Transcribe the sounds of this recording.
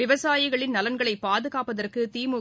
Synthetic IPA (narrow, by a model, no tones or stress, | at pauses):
ɪʋɐsaːjɪɣɐɭɪnnɐlɐnɡɐɭɐɪpːaːðɯɣaːpɐðɐrkɯt̪iːmʊ